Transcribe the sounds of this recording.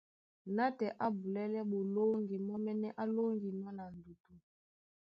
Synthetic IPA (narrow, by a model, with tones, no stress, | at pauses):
na˦tɛ˨ʔa˦bu˨lɛ˦lɛ˦ɓo˨lo˦ŋɡi˨mɔ˦mɛ˦nɛ˦ʔa˦lo˦ŋɡi˨nɔ˦na˨n̩˨du˨tu˦